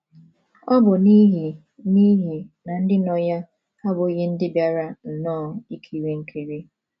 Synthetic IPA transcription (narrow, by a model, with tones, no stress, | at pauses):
ɔ˦bʊ˨ni˦ɦi˨ | ni˦ɦi˨na˨n̩˦dɪ˦nɔ˨ja˦ | a˦bʊ˨˦ɣe˦n̩˦dɪ˦bja˦ɾa˦n̩˨nɔː˦˨i˦kʰe˨i˨ɾe˦ŋ̩˦kʰe˨ɾi˦